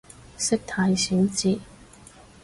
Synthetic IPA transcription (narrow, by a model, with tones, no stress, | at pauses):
sɪ˥k̚t̪ʰaː˧jsyː˨˥nt͡siː˧